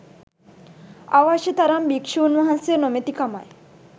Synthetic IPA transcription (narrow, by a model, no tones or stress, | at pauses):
aʋaʃɐt̪ɐɾambikʂuːnʋɐɦɐnsjənomet̪ikama̰j